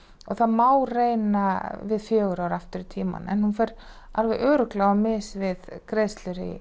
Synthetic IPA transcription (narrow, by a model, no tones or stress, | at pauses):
ɔɣθaðmaːwreːjnavɪðfjœːɣʏɾawɾaft̪ʏɾɪt̪ʰiːma̰nɛ̰nhunfɛjɾ | alvɛjʔœːɾʏklaɣamɪsvɪðkɾeːðst̪lʏɾɪ̰